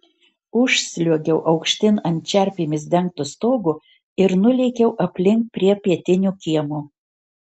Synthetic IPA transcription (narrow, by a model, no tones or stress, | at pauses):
ʊʃʲsʲlʲuɔɡʲɛʊʔɐʊkʃʲt̪ʲɪnɐnʲt̪ʲt͡ʃʲæˑɾʲpʲimʲɪs̬d̪ʲɛŋk̚t̪ʊst̪oːɡʊ | ɪɾnʊlʲɛɪkʲɛʊʔɐpʲlʲɪŋkt̪̚pʲɾʲiɛpʲiɛt̪ʲɪnʲuːkʲiɛmu